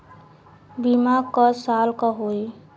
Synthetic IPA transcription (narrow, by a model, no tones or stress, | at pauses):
bimaɡkɔsalkɔɦoj